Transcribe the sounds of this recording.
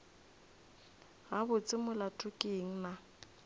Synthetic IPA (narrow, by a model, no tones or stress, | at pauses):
ɣabʊt͡sʼɪmʊlatʼʊkʼeŋ̩na